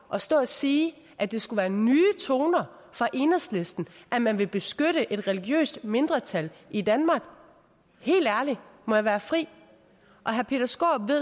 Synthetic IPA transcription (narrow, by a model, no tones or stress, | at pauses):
ʔɒ̽sd̥ɔ̰ːɒsiː | ʔæd̥e̝sɡ̥uʋæːɐnyːt͡sʰo̝ːnɐ | fʁɑ̈ʔe̝nəsle̝sd̥n̩ʔæmænʋe̝b̥e̝sɡ̥øɾ̥əʔe̝d̥ʁɛliɡ̥jø̰ːsd̥me̝nd̥ʁɐt͡sʰælʔidænmɑ̈ːɡ̥ | he̝̰ːld̥æɐlimɒ̽jɑ̈ʋæːɐfʁḭː | ʔɒ̽ɦæɐpʰe̝̰d̥ɐsɡ̥o̰ːb̥ʋe̝ð